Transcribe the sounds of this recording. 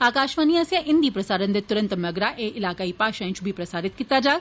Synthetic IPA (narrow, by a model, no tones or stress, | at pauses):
aːkaːʃʋaːniãːsjãʔɪ̃nd̪ipɾɐsaːɾənd̪et̪ʊɾə̃nt̪mɐɡɾaʔeʔɪlaːkaːipaːʃãt͡ʃubʱipɾɐsaːɾɪt̪̚kit̪ad͡ʒaː